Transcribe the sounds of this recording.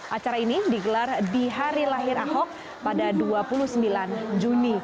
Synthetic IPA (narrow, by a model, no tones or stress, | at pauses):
ʔat͡ʃaɾainidiɡəlardiɦaɾilaɦɪɾaɦɔk̚ | padaduapulusəmbiland͡ʒuni